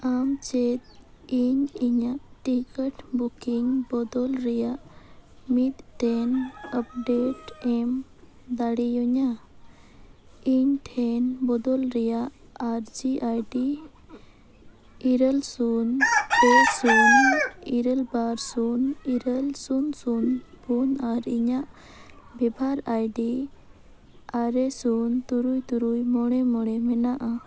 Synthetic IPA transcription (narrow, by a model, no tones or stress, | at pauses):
amt͡ʃɛt̪̚ | iɲiɲaʔʈikəʈbukiŋbɔd̪ɔlɾɛjaʔmit̪̚ʈɛnəp̚ɖeʈɛm | d̪aɽijɔɲa | iɲʈʰɛnbɔd̪ɔlɾɛjaʔ | aɾd͡ʒiʔajɖi | iɾəlsunpɔsuniɾɛlbaɾsuniɾəlsunsunbunaɾiɲaʔ | bɛbʱaɾajɖi | aɾɛsunt̪uɾujt̪uɾujmɔɽ̃ɛmɔɽɛmɛnaʔa